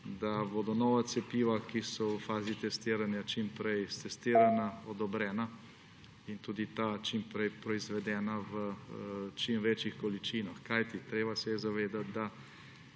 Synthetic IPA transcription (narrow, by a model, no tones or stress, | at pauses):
d̪aboːd̪ɔnɔːʋat̪sɛpiːʋakisɔəfaːzit̪ɛst̪iːɾanjat͡ʃimpɾɛjst̪ɛst̪iːɾanaɔd̪ɔbɾɛːna | int̪uːd̪it̪at͡ʃimpɾɛjpɾɔizʋɛd̪ɛːnaʋə | t͡ʃimʋeːt͡ʃixkɔlit͡ʃiːnaxkajt̪it̪ɾeːbasɛjɛzaʋeːd̪at̪̚d̪a